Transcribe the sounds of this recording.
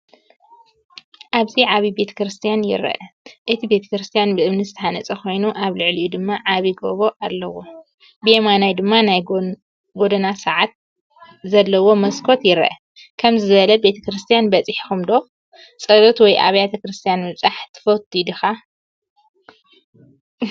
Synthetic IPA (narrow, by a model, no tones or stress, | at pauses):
ʔaβziʕaβibe̞t̪ʰɐ̥kɾɨst̪ʰijanjɪ̰ɾɐ̰ʔɐʔɨt̪ʰibe̞t̪ʰɐ̥kɾɨst̪ʰijanbɨʔɨmnɨzɨt̪ʰɐħanɐt͡sʼɐxʰo̞jnuʔaβlɨʕliʔud̪ɨmːaʕaβiɡoβo̞ʔalːɐwo | bɨjemanajd̪ɨmːanaj | ɡo̞d̪ɐnasaʕat̪̚ | zɐlːɐwo̞mɐskʰo̞t̪jɪɾɐ̰ʔɐ | kʰɐmzɨɨβɐlɐbe̞t̪ʰɐkɾɨst̪ʰijanbɐt͡sʼiħi̥xumd̪o̞x | sʼɐd̪ot̪wɔjʔa̰βɐjat̪ʰɐkɾɨst̪ʰijanmɨβt͡sʼaħt̪ʰɨ̥fɐt̪ʰid̪ɨxa